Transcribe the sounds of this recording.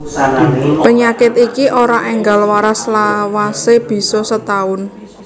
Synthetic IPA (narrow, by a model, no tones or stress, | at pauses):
pəɲakɪt̪ikiʔoɾaʔɛŋɡalwaɾaslawaseb̥i̤sɔsət̪aʊn